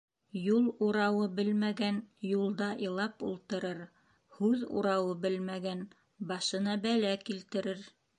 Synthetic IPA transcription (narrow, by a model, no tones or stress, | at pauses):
julˠuɾɑwɤbɘlmæɡænjulˠd̪ɑʔĭlˠɑpṵlˠt̪ɤ̆ɾɤɾ | hʉðṵɾɑwɤbɘlmæɡæn | bɑʃɤ̆nɑbælækilt̪ɘ̆ɾɘɾ